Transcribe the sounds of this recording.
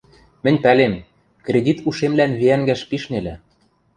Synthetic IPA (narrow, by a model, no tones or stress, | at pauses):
mɘ̆nʲpælem | krʲedʲit̪uʃemlænβeæŋɡæʃpiʃnelɘ̆